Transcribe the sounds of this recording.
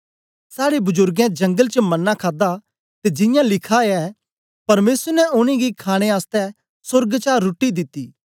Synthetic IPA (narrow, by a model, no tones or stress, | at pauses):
saːɽebʊd͡ʒʊɾɡɛ̃d͡ʒɐ̃ŋɡəlt͡ʃəmɐnːakʰaːd̪a | t̪ed͡ʒɪ̃jãlɪkʰaɛ | pɐɾmeːsəɾnɛʊñĩɡikʰaːɽ̃eaːst̪ɛ | sʊɾɡt͡ʃaːɾːʊʈːid̪ɪt̪ːiː